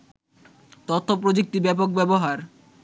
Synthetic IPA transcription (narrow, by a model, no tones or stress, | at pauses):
t̪ot̪ʰːopɾod͡ʑek̚tibɛpok̚bɛboɦaɾ